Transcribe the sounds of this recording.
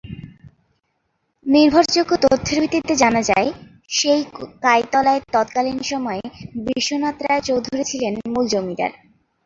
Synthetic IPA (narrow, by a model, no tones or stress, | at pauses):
niɾbʱoɾd͡ʑoɡːot̪ot̪ʰːoɾbʱit̪ːit̪ːed͡ʑanad͡ʑa̰e | ʃejkajt̪ɔlaeɾt̪ɔt̪kalinʃɔmɔebiʃːonat̪ːɾat͡ɕowd̪ʱuɾet͡ɕʰilenmuld͡ʑomid̪a̰ɾ